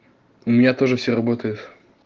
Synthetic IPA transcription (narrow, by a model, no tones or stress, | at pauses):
ʊmʲɪnʲat̪o̞ʐɨfsʲerɐbo̞t̪əjʊt̪